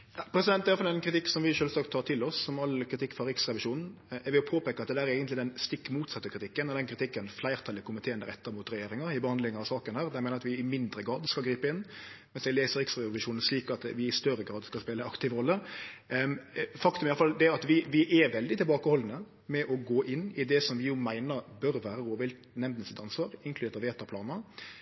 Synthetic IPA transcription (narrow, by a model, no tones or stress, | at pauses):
ɑpʰɾɛsɪd̪ɛnt̪æjɑfɑlɛnkʰɾɪt̪ɪkːsɔmʋɪʃøːlsɑːk̚t̪ʰːɑːt̪ʰɪlɔsːɔmɑlːkʰɾɪt̪ʰɪkːfɔɾɪksɾɛʋɪʂuːnn̩ɛʋɪɔpʰoːpeːkəɾɑt̪̚d̪ɛd̪æːɾeːɡənt̪lɪd̪ɛnst̪ɪkːmuːt̪sɑt̪ːəkʰɾɪt̪ʰɪkːənɔd̪ɛnkɾɪt̪ʰɪkːənflæɪɾt̪ʰɑːlɪkʰʊmɪt̪ʰeːənd̪əɾɛ̰t̪ːəɾmuːt̪ɾɛjeːɾɪŋɑɪbəhɑnd̪lɪŋɑʋsɑːkənhæːʁd̪ɛmɛːnəɾɑt̪ʋɪɪmɪnd̪ɾəɡɾɑːd̪skɑlɡɾiːpəɪnːmmɛnsɛɡleːsəɾɪkst̪ɾɑʋ̪ɪʂuːnən̩sliːkɑt̪ʋɪɪst̪œrəɡɾɑːd̪skɑlspeːləɑkt̪ɪʋəɾɔlːə | fɑkt̪ʉmɛjɑləfɑld̪ɛæɑt̪ʋɪʋɪʔɛʋɛld̪ɪt̪ʰɪlbɑːkəhɔlːn̩ə | mɛʔɔɡoːʔɪnːɪd̪ɛsɔmʋɪjʊmæɪnəɾbœɾʋæːɾəɾoːʋɪlt̪ | nɛmd̪nəsɪt̪ɑnsʋɑːɾɪŋkʰlʉd̪eːɾt̪ɑʋeːt̪ɑpʰlɑːnə